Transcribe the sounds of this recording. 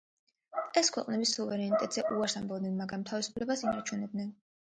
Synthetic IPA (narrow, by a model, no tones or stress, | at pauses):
ɛskʰwɛqʼnɛbisuvɛɾɛnit̪ʼɛt̪ʼz̥ɛʔuaɾsambɔbd̪nɛnmaɡɾamt̪ʰavisu̥pʰlɛbasinat͡ʃʰunɛb̚d̪nɛn